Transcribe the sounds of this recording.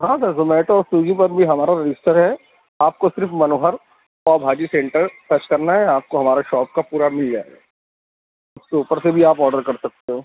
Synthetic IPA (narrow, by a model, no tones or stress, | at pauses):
ɦãːsɐɾzʊmɛːʈɔːsuːd͡ʒipɐɾbʱiɦɐmaːɾaɾɪd͡ʒɪsʈəɾɦɛ | aːp̚kosɪɾfmɐnoːɦəɾ | ɔːɾbʱaːd͡ʒisẽːɳʈəɾsɐt͡ʃkɐɾnaɦɛaːp̚koɦɐmaːɾeʃɔːp̚kapuːɾamɪld͡ʒa̰ːeɡa̰ː | ʊskːpəɾsebʱiaːpɔːɾɖəɾkɐɾsɐk̚t̪eɦõː